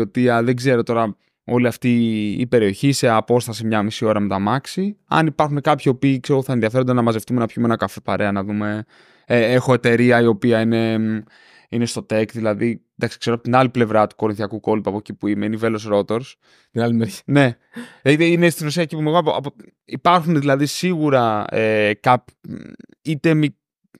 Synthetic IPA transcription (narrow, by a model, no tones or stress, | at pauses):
o̞t̪iɐðe̞ɡze̞ɾo̞t̪o̞ɾɐ | o̞liɐft̪ḭːpe̞ɾio̞çise̞ɐpo̞st̪ɐsimɲɐmisio̞ɾɐmet̪ɐmɐksiɐ̰nipɐɾxune̞kɐpçio̞piːkseɾɣoθɐenðiɐfeond̪e̞nɐmɐzeft̪umenɐpçumeenɐkɐfe̞pɐɾʔe̞ɐnɐðume̞ | exo̞e̞t̪e̞ɾiɐio̞piɐine̞ | ine̞st̪o̞t̪e̞kt̪ðilɐðind̪ɐksi̥kse̞ɾoɐpot̪inɐliple̞vɾɐt̪u̥ko̞ɾinθiɐkuko̞lipuɐpo̞cipuimeinive̞losɾo̞t̪o̞ɾs | t̪inɐlimeɾçine̞ | t̪inest̪inos̬iɐcipumeɣoɐpoɐ̰po | ipɐɾxuneðilɐðisiɣuɾɐekɐp | it̪e̞mi